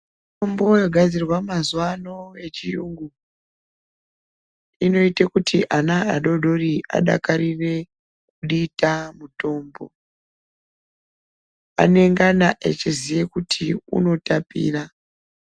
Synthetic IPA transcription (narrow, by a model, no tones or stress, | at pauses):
tombojoɡʱad͡zirwamazuwano̞e̞t͡ʃijuŋɡu | ino̞itekutʰiʔanaaɗo̞ɗo̞riʔa̰ɗa̰karire̞ | k̚uɗitamuto̞ːmbo̞̰ | a̰ne̞ŋɡanaʔḛt͡ʃizijekutʰiṵno̞tapḭːra